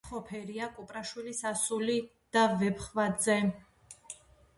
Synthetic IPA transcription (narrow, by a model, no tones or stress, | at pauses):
χɔpʰɛɾiakʼupʼɾaʃwilisasuli | d̪̥avɛpʰχvad̪zɛ